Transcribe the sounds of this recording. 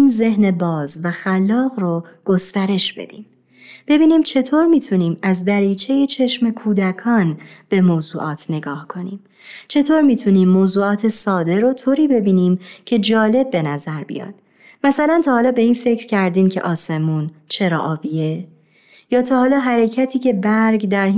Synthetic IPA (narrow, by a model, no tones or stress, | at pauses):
inze̞hne̞bɒːzvæxælːɒːɣroɡ̥o̞st̪æɾe̞ʃb̥e̞̰d̪̥ḭːm | b̥e̞biːniːmt͡ʃʰe̞t̪ʰoːɾmiːt̪ʰuniːmæzd̪æɾiːt͡ʃʰe̞je̞t͡ʃʰe̞ʃme̞kʰuːd̪ækʰɒːnb̥e̞moːzuːʔɒːt̪ʰne̞ɡɒːhkʰo̞niːm | t͡ʃʰe̞t̪ʰoːɾmiːt̪ʰuniːmːoːzuːɒːt̪ʰe̞sɒːd̪e̞ɾo̞t̪ʰoːɾiːbe̞biːniːmcʰe̞d͡ʒɒːle̞b̚ːe̞næzæɾbḭjɒ̰ːd̪̥ | mæsælænt̪ʰɒːhɒːlɒːbe̞iːnfe̞cʰɾ̥cʰæɾd̪iːmcʰe̞̰ʔɒːse̞muːnt͡ʃʰe̞ɾɒ̰ʔɒːbie | jɒːt̪ʰɒːhɒːlɒːɦæɾe̞cʰæt̪ʰiːcʰe̞bæɾɡd̪æɾ